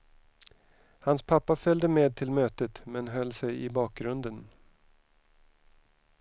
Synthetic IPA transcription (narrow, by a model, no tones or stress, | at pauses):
hanspʰapːafœld̪əmeːd̪̚t̪ʰɪlmøːt̪ət̪mɛnɦœlːsɛjɪbɑːk̚ɡɾɵnd̪ən